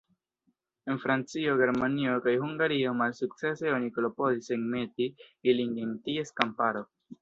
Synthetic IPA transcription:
enfɾant͡sioɡe̞ɾmaniokajɦuŋɡaɾiomalsuk̚t͡seseonikolopoziseŋmet̪iiliŋɡeŋt̪ieskampaɾo

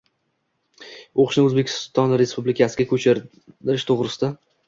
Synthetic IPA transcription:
oqʰʃnɪɵzbe̞kʲʰɪ̥st̪ɒnɾe̞spublɪkʲʰasɪɡʲakʰɵt͡ʃʰɪ | ɪɾɪʃt̪ʰoʁɾɪsɪd̪a

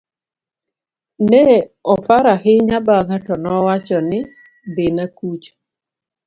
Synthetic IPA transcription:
nɛɔpaɾaɦɪɲabaɡatɔnɔwat͡ʃɔnɪ | d̪ɪnakut͡ʃ

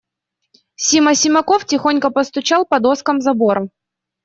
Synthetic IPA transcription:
sʲimɐsʲɪmɐkoftʲɪxonʲkəpəst̪ʊt͡ɕalˠpɐd̪oskəmzɐbo̞ɾɐ

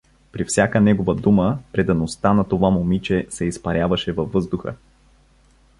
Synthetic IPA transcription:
pɾifsʲjakənɛɡovəd̪uməpɾɛd̪ɐnost̪anɐt̪ovamomit͡ʃɛsɛispɐɾʲjavɐʃɛvɐvːɤzd̪ʊxə̰

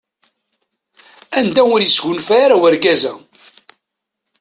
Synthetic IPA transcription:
ænd̪æʊɾjisʝʊnfæːɾawæɾɡæzæ

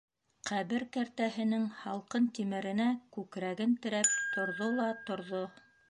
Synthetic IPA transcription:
qʰæβɘɾkæɾt̪æɦɘ̆nɘŋhɑlˠqɤnt̪imɘ̆ɾɘ̆nækʉkɾæɡɘnt̪ɘ̆ɾæp̚t̪ŏɾðolˠɑt̪ŏɾðo

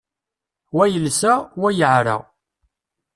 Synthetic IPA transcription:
wæjəlsæwæjəʕɾa̰ʁ

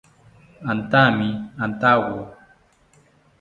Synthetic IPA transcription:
antamiantawo

